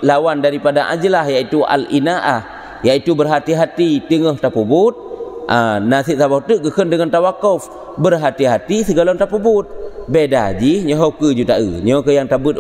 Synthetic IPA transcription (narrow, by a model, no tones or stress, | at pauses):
lawandaɾipadaʔa̰d͡ʒəlahjaʔit̪uʔa̰linaʔah | jaʔit̪ubərɦat̪iɦat̪it̪əŋəht̪apubʊt̪̚ʔənasiʔ̚sabat̪uʔɡəkəndəŋant̪awakɔf | bərɦat̪iɦat̪isəɡalont̪apubʊt̪̚bedad͡ʒiɲəɦokəd͡ʒut̪aʔə̰ɲokəjaŋt̪abut̪̚